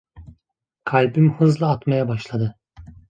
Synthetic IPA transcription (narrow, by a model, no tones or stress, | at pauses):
kʰalʲbimhɯzlˠaat̪majabaʃlˠad̪ɯ